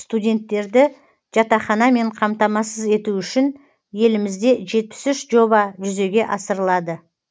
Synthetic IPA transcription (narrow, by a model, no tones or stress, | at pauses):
st̪udʲe̞nt̪ːe̞ɾd̪ɪ | ʒ̥ɑt̪ɑχɑnɑme̞ɴqʰɑmt̪ɑmɑsəze̞t̪uʏʃɪn | je̞lɪmɪzd̪e̞ʒe̞t̪̚pɪ̥sʏʃʒo̞bɑʒʏze̞ɡʲe̞ʔɑsəɾəlˠɑd̪ə